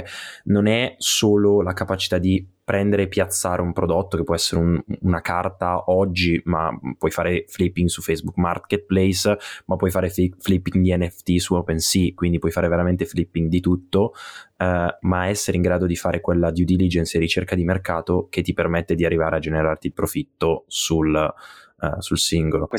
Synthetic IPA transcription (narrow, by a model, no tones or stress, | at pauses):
nonɛsoːlolakapat͡ʃi̥t̪ad̪ipɾɛnd̪eɾepjat̪sːaːɾʔeumpɾod̪ot̪ːokepːwɔɛsːeɾeuunakart̪aʔɔd͡ʒːima̰pːwɔjfaːɾeflipːiŋɡsufɛjzbukma̰rket̪̚plɛjsmapːwɔjfaːɾefiflipːiŋd̪iɛnːɛft̪isuɔpɛnsikwind̪ipwɔjfaːɾeveɾament̪eflipːiŋɡd̪it̪ut̪ːo | maɛsːeɾeiŋɡɾaːd̪od̪ifaːɾʔekwelːad̪jud̪ilid͡ʒɛnseɾit͡ʃerkad̪imerkaːt̪oket̪ːipermɛt̪ːed̪iarːivaːɾead͡ʒeneɾart̪ilpɾofit̪ːosul | sulsiŋɡolo